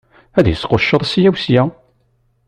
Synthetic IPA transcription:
æðjəsqoʃːəðˤsijæwsjæ

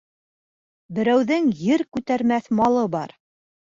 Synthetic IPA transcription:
bɘ̆ɾæwðɘŋjɘɾkʉt̪æɾmæθmɑlˠɤbɑɾ

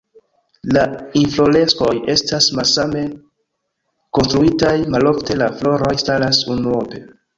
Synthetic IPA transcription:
lainflo̞le̞sko̞je̞stasmalsame̞ | konstɾuitajmalo̞fte̞laflo̞ɾo̞jstalasunuo̞pe̞

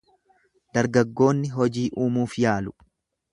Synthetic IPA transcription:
d̪̥ɐɾɡɐɡːo̞ːnːɪɦɔd͡ʒiːʔuːmuːfjaːlʊ̥

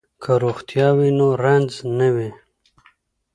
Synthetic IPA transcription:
kʰəɾoxt̪jɑwinoɾanznawi

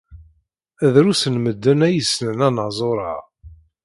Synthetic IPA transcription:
æðɾusənməd̪ːənæjəsnənænəzˤoɾˤɑ̰ʁ

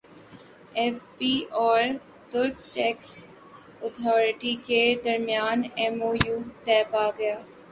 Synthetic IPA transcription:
ɛːfpiːɔːɾ | t̪ʊlk̚ʈɛːks | ət̪ʰɔːɾɪʈiked̪ɐɾmijaːnɛmoːjuːt̪ɛːpaɡɐjaː

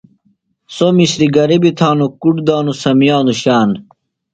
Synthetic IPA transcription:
somiɕɾiɡɐɾibit̪ʰaːnukuʈd̪aːnusɐmjaːnuɕaːn

